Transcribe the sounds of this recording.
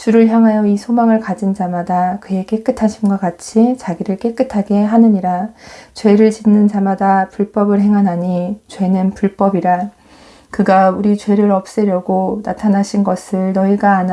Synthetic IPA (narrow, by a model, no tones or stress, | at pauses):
t͡ɕuɾɯɭçjaŋɦajʌisʰomaŋɯɭkad͡ʑind͡ʑamadakɯe̞k͈e̞k͈ɯtʰaɕʰimɡwakat͡ɕʰit͡ɕaɡiɾɯɭk͈e̞k͈ɯtʰaɡe̞ɦanɯɲiɾat͡ɕwe̞ɾɯɭt͡ɕinːɯnd͡ʑamadapuɭp͈ʌbɯɭɦe̞ŋɦanaɲit͡ɕwe̞nɯnpuɭp͈ʌbiɾa | kɯɡauɾit͡ɕwe̞ɾɯɾʌp̚s͈eɾjʌɡonatʰanaɕʰinɡʌsʰɯɭnʌiɡaːn